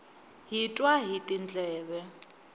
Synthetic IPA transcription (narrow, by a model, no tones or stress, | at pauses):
ɦitʼwaɦitʼind͡ɮʱʼɛːβɛ